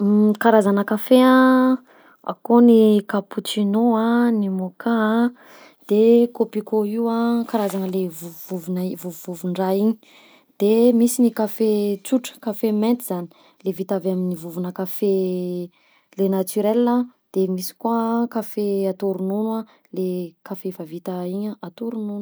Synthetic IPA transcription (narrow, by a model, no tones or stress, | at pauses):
kaɾazanəkafea | a̰konikaput͡ʃinoanimoka | d̪̥ekopikoiwakaɾazanəlevuvuvunivuvuvuɳɖ͡ʐaiɲi̥ | d̪̥emisinikafet͡suʈ͡ʂə̥kafement̪izani̥ | levit̪aveaminivuvunəkafe | lenat̪yɾelːad̪̥emisi̥kwakafeat̪oɾununa | lekafevavit̪aiɲaat̪uɾunun